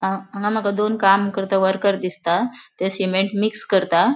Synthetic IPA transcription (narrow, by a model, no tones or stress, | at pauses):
aãŋɡam̤akad̪onkamkəɾt̪aʋəɾkəɾd̪ist̪at̪esimeɳʈmikskəɾt̪a